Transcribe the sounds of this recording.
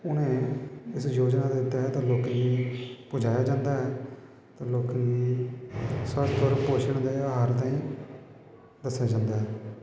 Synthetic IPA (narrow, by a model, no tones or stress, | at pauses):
ʊnẽːɪsjoːd͡ʒnaːd̪ɪt̪ːaɦɛːt̪ãːloːkniːpʊd͡ʒaːjaːd͡ʒãːnd̪aːɦɛː | t̪ãːloːkniː | səɾt̪əɾpoʃʰəɳd̪eːaːɦaːɾt̪ãːĩː | d̪əsːjaːd͡ʒãːnd̪aːɦɛː